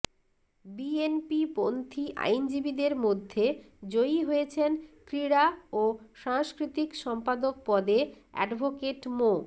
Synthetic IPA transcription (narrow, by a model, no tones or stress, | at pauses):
bienpipont̪ʰiʔa̰jnd͡ʑibid̪eɾmod̪ʱːe | d͡ʑojiɦojet͡ɕʰenkɾiɾaoʃaŋʃkɾit̪ikʃɔmpad̪ok̚pɔd̪e | ɛ̰ɖbʱokeʈmo